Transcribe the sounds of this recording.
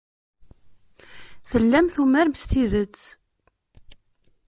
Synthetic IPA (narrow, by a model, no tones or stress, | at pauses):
θəlːæmθumæɾmst̪iðət͡sː